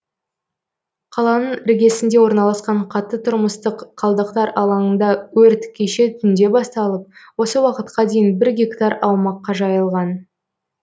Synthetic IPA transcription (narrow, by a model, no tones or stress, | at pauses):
qʰɑlˠɑnəɴɾɪɡʲe̞sɪnd̪e̞wo̞ɾnɑlˠɑsqɑɴqʰɑt̪ːət̪ʰʊɾməst̪əqqʰɑlˠd̪əq̚t̪ɑɾɑlˠɑŋənd̪ɑwɵɾt̪kʲʰe̞ʃe̞t̪ʰʏnd̪e̞bɑst̪ɑlˠəp̚wo̞səwɑqət̪qɑd̪e̞jɪnbɪɾɡʲekt̪aɾɑwmɑqːɑʒɑjəlˠʁɑn